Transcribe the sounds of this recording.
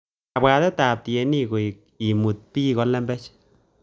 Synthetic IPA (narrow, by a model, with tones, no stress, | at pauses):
a˨bwa˧d̪a˦t̪a˨b̚t̪je˧ni˦ɡo˨ | i˨mu˨t̪̚pi˦ɡo˧la˦mbe˦t͡ʃ